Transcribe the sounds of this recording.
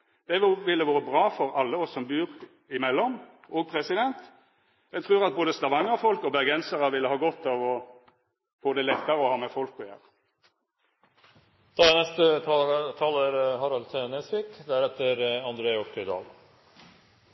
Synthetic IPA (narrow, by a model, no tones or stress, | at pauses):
d̪̥ɛʋɪlːəʋoːʁəbʁɑːfɔʁɑlːəɔsːɔmbʉːʁ | ɪmɛlːɔm | ʔoːɡ̚pʰʁɛsɪd̪ɛnt̪ | jæɡt̪ʰʁʉːʁɑt̪̚boːd̪əst̪ɑʋɑŋːəɔfɔlkɔbɛɡɛnsəʁəʋɪlːəhɑːɡɔt̪ːɑʋɔ | fʊːd̪ɛlɛt̪ːəɾəɔhɑːmɛfɔlkɔjæ̰ːʁ | d̪̥ɑnɛst̪ət̪ʰɑːləɾhɑɾɑlt̪ʰenesʋɪkd̪æɾɛt̪ːəɾɑnd̪ɾeːɔpt̪ʰʏd̪ɑ̰ːl